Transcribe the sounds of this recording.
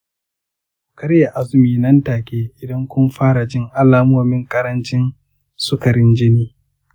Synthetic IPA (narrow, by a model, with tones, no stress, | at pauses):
kɐ˦ɾja˨ʔa˦zʊ˨˦miː˨nɐ˦ntaː˨kʲʼeː˦ʔɪ˨dɐ˦ŋkʷʊ˦mɸaː˦ɾa˨d͡ʒɪ˦ŋʔa˦laː˨moː˨mɪ˦ŋkʼɐ˦ɾɐ˦nt͡ʃɪ˦n | sʊ˦kɐ˨ɾɪ˦nd͡ʒɪ˦niː˦